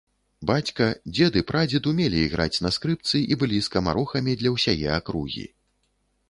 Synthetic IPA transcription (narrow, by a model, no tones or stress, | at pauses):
bat͡sʲkɐd͡zʲɛd̪ɨpɾad͡zʲit̪umʲɛlʲiːɣɾʔa̰t͡sʲnɐskɾɨpt̪sɨʔibɨlʲiskɐma̰ɾɔxɐmʲid̪lʲɐwsʲajɛ̰akɾuɣʲḭ